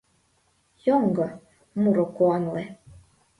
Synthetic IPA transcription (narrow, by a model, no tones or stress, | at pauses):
joŋɡɤ̆ | muɾokuɑnlˠe